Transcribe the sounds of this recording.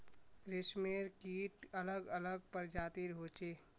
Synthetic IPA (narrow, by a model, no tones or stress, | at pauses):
ɾesmeɾkiːʈələɡələɡ̚pəɾd͡ʒaːt̪iɾɦoːt͡ʃeː